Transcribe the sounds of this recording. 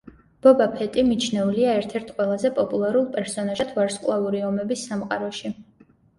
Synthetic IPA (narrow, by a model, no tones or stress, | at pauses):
b̥ɔbapʰɛt̪ʼimit͡ʃʰnɛuliaɛɾt̪ʰɛɾt̪ʰqʼwɛlˠazɛpʼɔpʼulˠaɾulˠpʼɛɾsɔnaʒt̪ʰvaɾskʼlˠauɾiɔmɛbisːamqʼaɾɔʃi